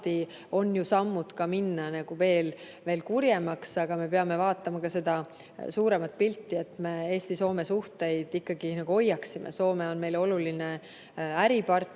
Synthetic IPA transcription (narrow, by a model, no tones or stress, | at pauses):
t̪i | o̞njusɑmːud̪̥kɑminːɑnɑɡ̥uve̞ːl | ve̞ːlkuɾjemɑksɑɡ̥ɑme̞peɑme̞vɑːt̪ːˑɑmɑkɑse̞d̪̥ɑ | suːɾe̞mɑt̪̚ˑpilʲt̪ːie̞t̪me̞e̞ːsʲt̪iso̞ːme̞suht̪e̞jd̪̥ikːɑɡ̥inɑɡ̥uo̞jːɑksimʔḛso̞ːme̞o̞nme̞jlo̞luline̞ | æɾipɑrt̪ː